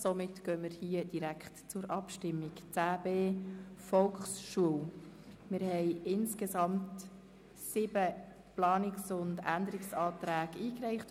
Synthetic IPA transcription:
somɪtɡ̥œːməɾhiːəd̥iɾækχtt͡sʊɾʔɑpʃtɪmːɪkt͡sæːbeːfɔlχsʃuəwmɪɾhɛɪɪnskesɑmt | sɪb̥ə | plɑːnɪksʊndænd̪əɾiksɑːtɾæːɡiːkɾɛɪχt

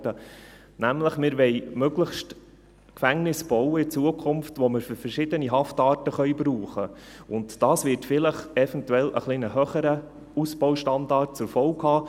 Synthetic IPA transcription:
d̥ə | næmləχmɪɾʋɛɪmøɡləχʃt | kfæŋnɪsb̥ɔwəɪt͡suəkʰʊmftʋɔməɾfʏɾfɛrʃɪd̥əniɦɑftɑːtəχœʏbɾuːχə | ʊntd̥ɑːsvɪrtfɪləχɛfɛntuɛlə̰χlinəhœχəɾə | usb̥ɔʊʃtɑnd̪ɑːrt̚t͡sɛɾfɔʊkhɑː

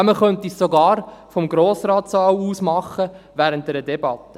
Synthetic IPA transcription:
məχœnt̪issoɡɑːɾfɔmɡɾoːsɾɑːtsɑːwuːsmɑχːəʋæːɾənt̚d̪ɛɾədɛbɑt̪ːə

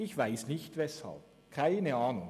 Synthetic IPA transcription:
ɪçv̥aɪsnɪçtvɛsha̰lp | kʰaɪnəaːnʊŋ

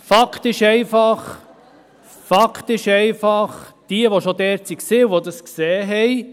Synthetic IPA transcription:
fɑkʰt̪ɪʃɛɪfɑχ | fɑkʰt̪ɪʃɛɪfɑχd̪̥iəʋoʃod̪ɛːɾt̪siksɪːuʋod̪əsksɛːɦɛj

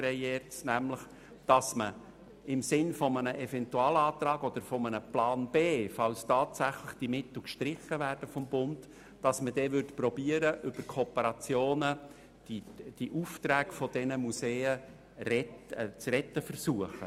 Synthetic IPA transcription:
ɾɛjɛːtsnæmləχ | d̥ɑsmə | ɪmsɪnfɔmənəʔɛfɛntuɑːlɑːt̪ɾɑːɡɔd̥̪əɾfɔmənəplɑːnb̥eːfɑlstɑːtsæχləχd̥imɪt̪l̩ˠkʃtɾɪχəvæːrd̥əfɔmbʊnt | d̥ɑsmədɛvʏɾtpɾɔbiːəɾəʔʏb̥əɾkʰopəɾɑt͡sjoːnə | d̥id̥iʔuft̪ɾæːɡ̥fɔd̥ɛnəmuseːə | ɾɛtɛt͡srɛtːəfərsuəχə̰

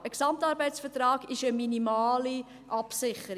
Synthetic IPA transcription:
əksɑmtɑːɾbɛɪtsfətɾɑːɡɪʃəminimɑːli | ʔɑpsɪχəɾ

